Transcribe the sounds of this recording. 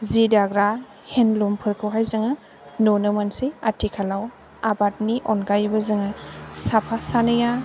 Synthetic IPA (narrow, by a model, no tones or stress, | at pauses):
zidaɡɾa | henlompʰɯɾkʰɯwɦajzɯŋɯ | nonɯmansiatʰikʰalaw | abat̚niʔɔnɡajbɐzɯŋɯsapʰasanɯja